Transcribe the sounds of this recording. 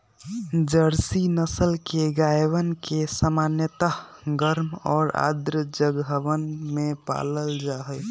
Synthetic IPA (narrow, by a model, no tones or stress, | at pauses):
d͡ʒəɾsinəsəlkeɡajʋənkesəmanjət̪aɦɡəɾmɔːɾa̰d̪ɾəd͡ʒəɡəʋənmepa̰ləld͡ʒaɦəj